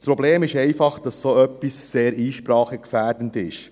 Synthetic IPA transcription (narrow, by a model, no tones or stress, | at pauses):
spɾɔbleːmɪʃɛɪfɑχd̥ɑssoœpːisseːɾiːʃpɾɑːχəkfæːɾdəntɪ̰ʃ